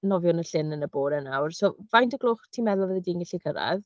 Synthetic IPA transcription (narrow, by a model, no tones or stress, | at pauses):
nɔvjʊnəɬɪnənəboːɾɛnawrsoːvajntəɡlˠoːχtʰiːmɛðʊlˠvɛðɛdiːnɡɪɬikʰəɾa̰ð